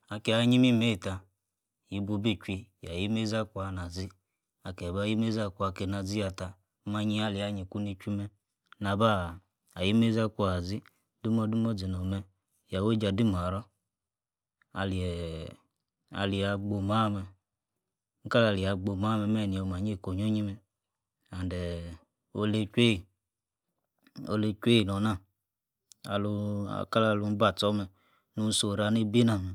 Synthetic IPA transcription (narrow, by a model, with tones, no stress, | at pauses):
a˨ke˨a˨˦ɲi˦mi˦me˦˨ta˧ | ji˨bu˧bi˦˨t͡ʃʷi˧ja˨ji˦me˦za˦kʷu˦a˧˨na˨zi˦ | a˨kɛ˨ba˦ji˦me˦za˧kʷu˧˦a˧˨ke˧˨na˧d͡zi˦ja˧˨ta˧˦ | ma˧ɲi˧a˧˨li˨a˨˧ɲi˨kʷu˦ni˧t͡ʃʷi˦mɛ˧ | na˧ba˦˨ | a˨ji˦me˦za˦kʷu˦a˨zi˦ | du˦mɔ˧du˦mɔ˦d͡zi˨no˨mɛ˧ | ja˨we˦d͡ʒa˧di˦m˨a˨ɾɔ˦ | a̰˨li˨ | a̰˨li˨a˨ɡ͡bo˨ma˦mɛ˨ | ŋ̩˦ka˦la˨li˨a˨ɡ͡bo˨ma˦mɛ˧˨mɛ˦˨ni˨o˨ma˨ɲ˦e˦˨ko˨ɲo˦ɲi˦mɛ˨ | a˨n˨dɛ˨ | o̰˦le˦kʷe˦˨ | o̰˧le˧t͡ʃʷe˦i˨nɔ˨na˦˨ | a̰˨lṵ˧˨ka˦la˧˨lu˧˦n˦ba˦˨t͡sɔ˦mɛ˨ | nu˦n̩˦so˨ɾa˧ne˦bi˦na˨m˨